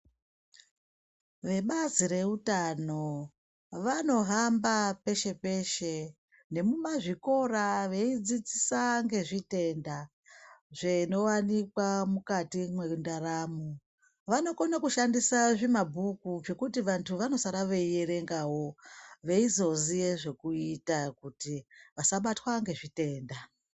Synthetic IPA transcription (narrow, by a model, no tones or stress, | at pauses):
ʋe̞ɓazire̞utano̞ | ʋano̞ɦambape̞ʃe̞pe̞ʃe̞ | ne̞mumaʐiko̞raʋe̞id͡zid͡zisaŋɡe̞ʐite̞nda | ʐeino̞wanikwamukatimweundaɾamu | ʋano̞konakuʃandisaʐimabʱukuʐe̞kutiʋantʰuʋano̞saɾaʋeieɾe̞ŋɡaɦo̞ʋe̞izo̞zije̞ʐe̞kuitakutiʋasaɓatwaŋɡe̞ʐite̞ːnda